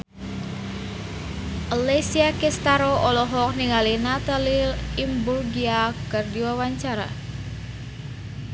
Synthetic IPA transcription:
ʔəlesiakɛst̪aɾoʔɔlɔɦɔk̚niŋalinat̪aliimburɡiakərdiwawaɲt͡ʃaɾa̰

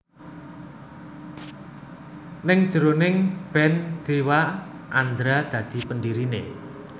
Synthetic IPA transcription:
nɪŋd̥ʒ̥əɾonɪŋb̥ɛnd̪̥ewa | ʔand̪ɾad̪̥ä̤d̪̥i̤pəndiɾinḛ

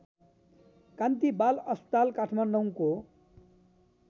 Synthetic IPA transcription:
kant̪ibalʌst̪alkaʈʰmanɖʌw̃ko

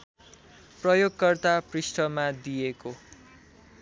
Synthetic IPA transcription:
prʌjoɡkʌrt̪aprisʈʌmad̪ijeko

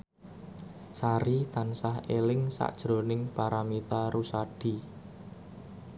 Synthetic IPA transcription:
saɾit̪ansahelɪŋsa̰ʔd̥ʒ̥ɾo̤nɪŋpaɾamit̪aɾusaɖ̥i̤

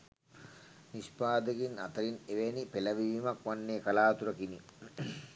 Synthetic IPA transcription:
nispaːd̪əɡina̰t̪ɐɾineʋenipelɐʋiʋiːmakʋanːeːkalaːt̪uɾɐkini

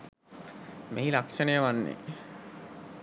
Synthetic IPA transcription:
meilakʂɐnejəʋanːḛ

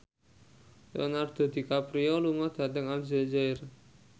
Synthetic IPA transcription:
lo̰nard̪̥a̤d̪̥i̤kapɾiɔluŋɔd̪̥ä̤t̪ɛŋald͡ʒɛd͡ʒaɪr

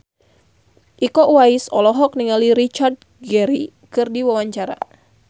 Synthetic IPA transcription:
ʔikɔʔwaisɔlɔɦɔk̚niŋaliɾit͡ʃard̚ | ɡɛɾikɨrdiwawaɲt͡ʃaɾa̰

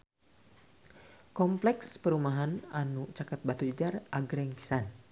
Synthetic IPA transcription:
kɔmplɛkspəɾumaɦananut͡ʃakat̪̚bat̪ud͡ʒəd͡ʒarʔaɡɾɛŋpi̥san

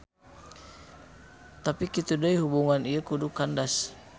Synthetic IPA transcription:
t̪apikit̪udaiɦubuŋanijəkudukandas

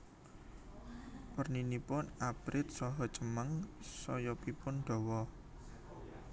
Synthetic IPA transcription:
pərninipʊnabɾʔɪt̪̚sɔɦɔt͡ʃəməŋsɔjɔpipʊnɖ̪̥ɔ̤wɔ

